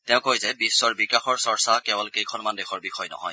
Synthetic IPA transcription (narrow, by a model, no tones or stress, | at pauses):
tɛʊ̃kojzɛbisːɔɹbikaxɔɹsɔɹsakɛbɔlkejkʰɔnmandɛxʰɔɹbixɔjnɔ̰ɦɔ̰j